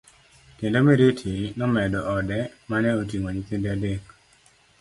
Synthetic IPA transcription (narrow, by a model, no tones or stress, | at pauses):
tendomeɾetʰinɔmɛdɔʔɔdɛmanɛotiŋoɲit̪endeadek